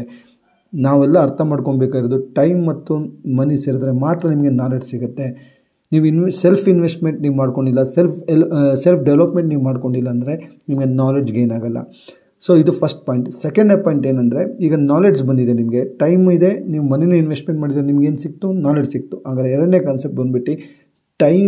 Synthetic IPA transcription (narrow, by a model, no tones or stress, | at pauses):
naːʋɛlːɐːɾt̪ʰɐmaːɖko̞ɳbeːkaːɡiɾoːd̪uʈɐjmːɐt̪ːumɐniseːɾd̪ɐɾemaːt̪ɾɐnimɐɡe̞naːle̞d͡ʒsiɡut̪ːe̞ | niːʋuinselpʰinʋesʈmeɳʈniːʋumaːɽko̞ɳɖilːɐselfʰlselpʰɖɛʋlopmeɳʈniːʋumaːɖko̞ɳɖilːɐːnd̪ɐɾe̞ | nimɐɡe̞naːled͡ʒɡe̞ːnaːɡɐlːɐ̰ | so̞ːid̪upʰɐsʈpaːjiɳʈsɛkɐɳɖepaːjiɳʈeːnɐnd̪ɐɾe̞iːɡɐnaːled͡ʒsbɐnd̪id̪enimɐɡe̞ʈɐjmid̪e̞niːʋumɐninuinʋesʈmeɳʈmaːɽid̪ɾenimɐɡeːnsik̚t̪unaːled͡ʒsik̚t̪uaːɡ̪ɐleɛɾɐɽneːkaːnsep̚ʈbɐnd̪biʈːi | ʈɐj